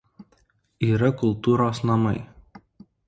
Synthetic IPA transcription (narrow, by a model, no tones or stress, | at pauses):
iːɾɐkʊlˠˑt̪uːɾoːsnɐmɐɪ